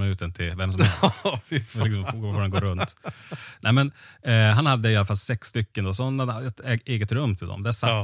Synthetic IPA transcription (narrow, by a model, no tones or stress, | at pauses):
nʉ̟ːt̪ənt̪ʰɪvɛmsɔm | lɪksɔmffɔɾɛnɡoːɾɵnt̪nɛmɛnɦanhad̪ːəɪalafalsɛksːt̪ʏkːənd̪oːsɔnːaɛt̪ɛeːɡət̪ɾɵmːt̪ʰɪld̪ɔ̰md̪æʂa